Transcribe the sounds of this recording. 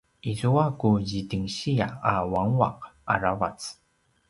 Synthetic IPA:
ʔizuakuʑitiŋɕiaawaŋua̰qaɾavat͡s

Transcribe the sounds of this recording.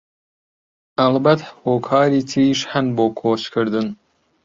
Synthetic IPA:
ɐlbɐt̪hoːkʰɑːɾiːt̪ʰɾiːʃhanboːkʰoːt͡ʃkʰɨɾd̪ɨn

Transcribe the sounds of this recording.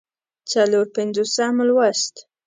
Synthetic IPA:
t͡saloɾpɪnd͡zosaməlwast̪

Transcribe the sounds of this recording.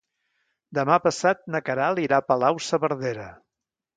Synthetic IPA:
d̪əmapəsat̪̚nəkəɾalˠiɾapəlawsəβəɾðeɾə

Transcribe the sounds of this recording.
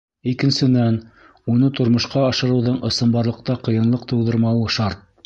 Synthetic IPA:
ikɘ̆nsɘ̆næn | unɤt̪ŏɾmŏʃqɑɑʃɤ̆ɾɤ̆wðɤɴʔɤ̆sɤ̆mbɑɾlˠɤ̆q̚t̪ɑqɤ̆jɤ̆nlˠɤqt̪ɤ̆wðɤ̆ɾmɑlˠɤʃɑɾt̪̚

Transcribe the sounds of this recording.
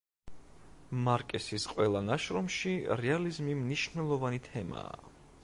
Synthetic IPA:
maɾkʼɛsisqʼwɛlˠanaʃɾɔmʃiɾɛalizmimniʃnɛlˠɔvanit̪ʰɛma̰ː

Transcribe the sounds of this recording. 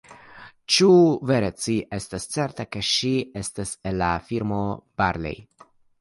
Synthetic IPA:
t͡ʃuve̞ɾet͡siʔe̞stast͡se̞ɾtake̞ʃie̞staselːafiɾmo̞b̥aɾlḛj

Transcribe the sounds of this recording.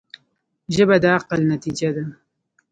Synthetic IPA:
ʒəbad̪əaqəlnat̪id͡ʒad̪a

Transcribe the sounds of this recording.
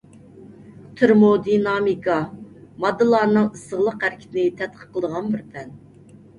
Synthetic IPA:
t̪ʰɨɾmod̪inɑmikʰɑmɑd̪ːɨlˠɑɾnɨŋɨsəʁlˠəqæɾɪkʲʰi̥t̪ɪnɪt̪ʰɛt̪̚qʰə̥qːəlˠd̪əʁɑnbɪɾpʰɛn

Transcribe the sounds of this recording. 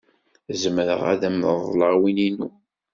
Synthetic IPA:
zəməɾə̰ʁæ̰ðæmðˤləʁwininṵ

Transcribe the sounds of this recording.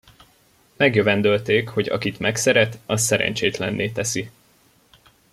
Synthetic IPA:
mɛɡjøvɛnd̪ølt̪eːkho̞ɟɒ̰kit̪mɛksɛɾɛt̪ɒsːɛɾɛ̰ɲt͡ʃeːt̪lɛnːʔeːt̪ɛsi

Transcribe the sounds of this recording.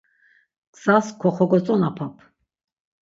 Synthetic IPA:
ksaskʰɔχɔɡɔt͡sʼɔnapʰapʰ

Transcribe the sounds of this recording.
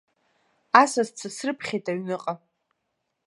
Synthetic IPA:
asazt͡sʰasrɨpʰχʲejtʼaɥnɨqʼa

